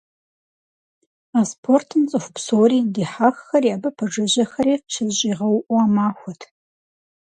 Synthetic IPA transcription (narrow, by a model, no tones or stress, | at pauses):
aːspʰortʰɨmt͡sʼɨxʷpsoːriːdiːħaːxxɐriaːbɨpʰɐʐɐʑɐxɐɾiːʃʰɪzɕʼiːʁɐwʔuaːmaːxʷɔtʰ